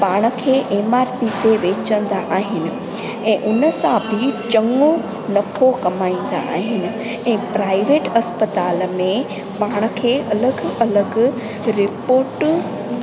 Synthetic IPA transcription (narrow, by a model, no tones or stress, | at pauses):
paːɽ̃ə̆kʰeːʔeːmaːɾpit̪eʋeːt͡ɕə̃nd̪aʔaːɦɪnɪ̆ | ɛ̃ːʔʊnəsãbʱɪt͡ɕɐŋo | nɐkʰokɐmaːĩːn̆d̪a̰ʔaːɦɪnɪ̆ | ɛ̃ːpɾaːɪʋeːʈɐspət̪aːlmẽ | paːɽ̃ə̆kʰeːʔɐləɡɐləɡ | ɾɪpoːɾʈ